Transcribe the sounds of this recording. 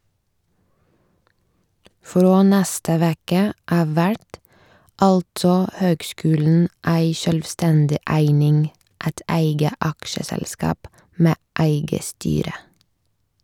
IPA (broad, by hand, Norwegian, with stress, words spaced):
ˈfɾoː ˈnæstə ˈʋeːkə ˈʔɑːʋ ˈʋæʈ ˈɑltsɔ ˈhøːɡˌskʉːln̩ ˈʔæɪ ʃœlʋˈstɛndɪ ˈʔæɪnɪŋ ˈæt ˈʔæɪɡə ˈʔɑkʃəsɛlˌskɑːp ˈmeː ˈʔæɪɡə ˈstyːɾə